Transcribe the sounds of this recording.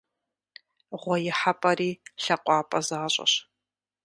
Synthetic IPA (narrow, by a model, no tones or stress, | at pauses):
ʁʷɔjɪħapʼɐriːɬɐqʷʼɑːpʼɐzaːɕʼɐ̰ɕ